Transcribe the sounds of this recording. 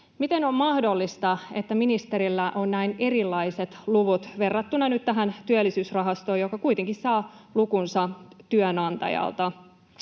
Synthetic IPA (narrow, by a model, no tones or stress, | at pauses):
mit̪e̞nommɑhdo̞lːist̪ɑe̞t̪ːæminist̪eɾilːæʔo̞nːnæine̞rilːɑise̞t̪luʋut̪ʋe̞rːɑt̪ːunɑnyt̪t̪æɦænt̪yølːisyːsrɑɦɑst̪o̞ːjokɑkuit̪eŋkissɑː | lukunsɑt̪yønɑnt̪ɑ̰jɑ̰lt̪ɑ